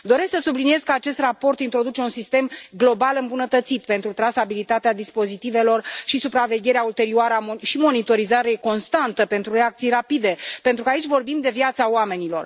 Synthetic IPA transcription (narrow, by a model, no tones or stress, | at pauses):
d̪o̞ɾe̞sksəsublinije̞zkəat͡ʃe̞st̪rapo̞rt̪int̪ɾo̞d̪ut͡ʃe̞unsist̪e̞mɡlo̞balɨmbunət̪ət̪sit̪pe̞nt̪ɾut̪ɾasabilit̪at̪ead̪ispo̞zit̪ive̞lo̞rʃisupɾave̞ɡʲe̞ɾeault̪e̞ɾioaɾəaʃimo̞nit̪o̞ɾizaɾe̞ko̞nst̪ant̪əpe̞nt̪ɾure̞ak̚t̪sijrapid̪e̞pe̞nt̪ɾukəait͡ʃʲvo̞rbimd̪e̞vjat̪saoame̞nilo̞r